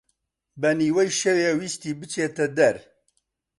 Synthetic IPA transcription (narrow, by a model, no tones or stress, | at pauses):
bɛniːwɛjʃɛweːwiːst̪iːbɨt͡ʃʰeːt̪ɛd̪ɛɾ